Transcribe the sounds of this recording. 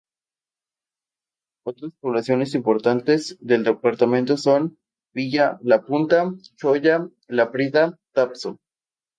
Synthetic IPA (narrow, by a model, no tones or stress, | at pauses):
ot̪ɾaspo̞βlasjo̞ne̞simpo̞ɾt̪ant̪e̞zðe̞ld̪epaɾt̪amẽ̞nt̪o̞so̞n | biʝalapunt̪at͡ʃo̞ʝa | lapɾiðat̪apso